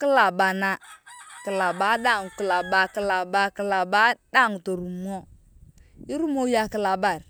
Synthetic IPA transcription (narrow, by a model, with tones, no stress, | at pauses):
ki˦la˨ba˨na˨kə˨la˨ba˨˦ɗa˦˨ŋ˨kə˨la˨ba˨ki˨la˨ba˨ki˨la˨ba˦da˦˨ŋto˨ɾu˨m˦o˦ | i˦ɾu˦mo˦ja˨kə˨la˨ba˨ɾ